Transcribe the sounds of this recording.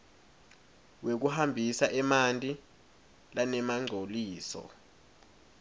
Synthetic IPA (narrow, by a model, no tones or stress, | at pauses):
wek̬uhambʱisaʔɛmantʼi | lanɛmaŋ͡ǀʱoliːsɔ̰